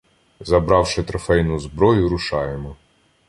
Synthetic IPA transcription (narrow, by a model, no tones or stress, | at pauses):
zɐbɾɑwʃɪt̪ɾɐfɛjnʊzbɾɔjʊɾʊʃɑjemɔ